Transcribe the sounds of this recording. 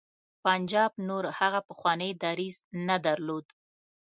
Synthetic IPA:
pand͡ʒɑbnoɾhaɣapəxwɑnəjd̪ɑɾiznad̪aɾlod̪

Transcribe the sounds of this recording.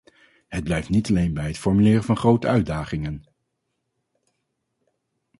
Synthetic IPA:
ɦəd̚blɛjftnitɑlejnbɛjətfɔɹmylɪːrəvɑnχrowtəœɥdaːχɪŋən

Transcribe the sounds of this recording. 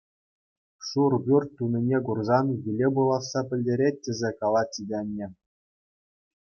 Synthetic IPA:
ʂurbʲyrʲtʲːunʲinʲeɡurzɑnjilʲebulˠɑsːɑpʲɘ̆lʲdʲeɾʲet̚ʲːɘ̆zʲekɑlˠɑt͡ɕʲidʲenʲːɘ̆

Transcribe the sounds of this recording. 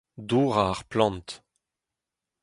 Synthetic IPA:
d̪uʁaːʁplɑ̃nt̪

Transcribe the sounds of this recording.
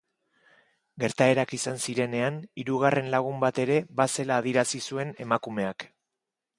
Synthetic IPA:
ɡe̞ɾt̪ae̞ɾakisansiɾe̞ne̞aniɾuɣ̞are̞nlaɣ̞umbat̪e̞ɾe̞βase̞laːðiɾasisue̞ne̞makume̞ak

